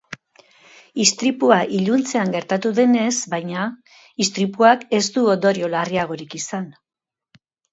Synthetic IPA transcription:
ist̪ɾipuaʔiʎunt͡se̞aŋɡe̞ɾt̪at̪uðe̞ne̞sbajɲa | ist̪ɾipuake̞zd̪uond̪o̞ɾio̞lariaɣ̞o̞ɾikisan

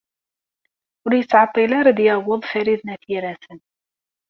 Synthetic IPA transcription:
ʊɾjət͡sːʕɑt̪ˤːilaɾad̪jawəðˤfæɾiðnæθiɾæsən

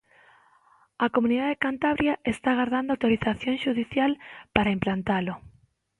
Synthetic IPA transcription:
akomũniðaðekant̪aβɾjaʔest̪aɣaɾðand̪oawt̪oɾiθaθjoŋʃuðiθjalpaɾaimplant̪alʊ

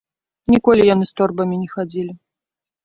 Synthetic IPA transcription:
nʲikɔlʲijanɨst̪ɔrbɐmʲinʲɛxad͡zʲilʲi

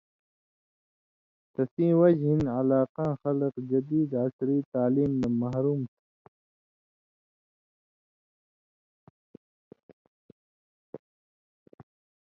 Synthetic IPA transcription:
t̪ɐsĩːwɐd͡ʑɦinɐlaːqãːxɐləqd͡ʑɐd̪iːd̪ɐkɾiːt̪aːliːmd̪ɐmɐɦɾuːmt̪ʰi̥

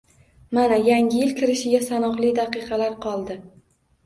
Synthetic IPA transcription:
manajaŋʲɪjɪlkʲʰɪɾɪʃɪɡʲasanɒʁlˠijd̪aqɨqɑlaɾqʰɒlˠd̪ɪ

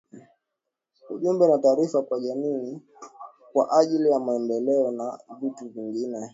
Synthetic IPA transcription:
uʄumbɛnataːɾifakwaʄamiː | kwa̰ʔaʄilijamaɛndɛlɛɔnavituviŋɡinɛ

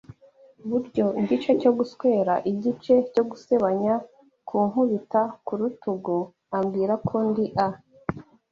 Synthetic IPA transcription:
βuɾɟo̞ɟit͡ʃe̞co̞ɡuskwe̞ːɾaʔiɟit͡ʃe̞co̞ɡuse̞βaɲa | kʰuːŋhuβitakuɾutuɡo | amɡiːɾakʰondiʔa

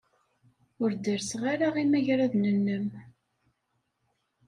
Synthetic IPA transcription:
ʊɾd̪əɾsʁaɾaʁimæʝɾæðnənːəm

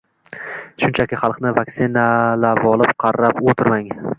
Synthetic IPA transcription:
ʃʊnt͡ʃʰakʲɪχɑlˠqnɪvaksɪnalabɒlˠɪpqʰɑɾːapot̪ʰɪɾmaŋ

